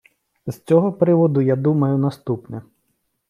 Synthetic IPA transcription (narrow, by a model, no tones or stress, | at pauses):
z̥t͡sʲɔɦɔpɾɪʋɔd̪ʊjad̪umɐjʊnɐst̪upnʲɐ